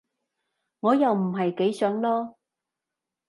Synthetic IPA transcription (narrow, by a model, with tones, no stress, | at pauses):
ŋɔː˨˧jɐ˨wm̩˨˩ɦɐ˨jke˨˥jsœː˨˥ŋlɔː˥